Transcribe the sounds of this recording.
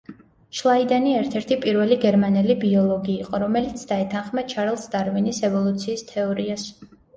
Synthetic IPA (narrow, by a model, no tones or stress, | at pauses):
ʃlˠaid̪aniɛɾt̪ʰɛɾt̪ʰipʼiɾvɛliɡɛɾmanɛlibiɔlˠɔɡiːqʼɔɾɔmɛlit̪sʰd̪aɛt̪ʰanχmat͡ʃʰaɾɛlˠsd̪aɾvinisɛvɔlˠut̪sʰiːst̪ʰɛɔɾias